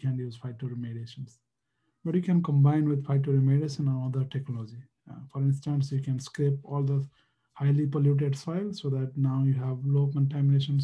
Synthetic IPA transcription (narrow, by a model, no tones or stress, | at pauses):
kæ̃njuːzfaɪʈːuɾimeɖeʃə̃ns | bəʈjukɛ̃nkə̃mbãɪ̃nʋɪd̪fʰaɪʈ̚ːuɾimeɖeʃə̃nə̃nʌd̪əɾʈeknɔlɔd͡ʒi | fɔɾɪ̃nsʈə̃nsjukɛ̃nskɾepɔːld̪ə | haɪlipɔljuːʈ̬eɖstaɪlsoːd̪æʈ̚naʊjuɦæʋloːkə̃ɳʈæmineːʃə̃ns